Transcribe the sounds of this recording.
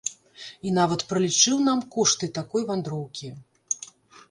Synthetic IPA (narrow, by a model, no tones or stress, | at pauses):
inavɐt̪pɾɐlʲit͡ʂɨwnamkɔʂt̪ɨt̪akɔjvand̪ɾɔwkʲi